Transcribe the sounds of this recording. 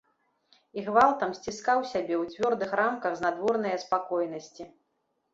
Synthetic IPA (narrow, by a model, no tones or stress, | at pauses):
iɣvalˠt̪ɐmsʲt͡sʲiskawsʲabʲɛwt͡sʲvʲɔrd̪ɨxramkɐɣznad̪vɔrnɐjɐspakɔjn̪ɐsʲt͡sʲi